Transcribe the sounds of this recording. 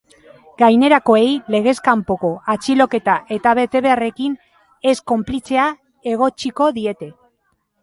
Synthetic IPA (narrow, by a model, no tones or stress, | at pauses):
ɡ̥ajne̞ɾako̞e̞jle̞ɣ̞e̞skampo̞ko̞at͡ʃilo̞ke̞t̪aʔe̞t̪aβe̞t̪e̞βe̞are̞kin | e̞sko̞mplit͡se̞a | e̞ɣ̞o̞t͡ʃiko̞ðie̞t̪e̞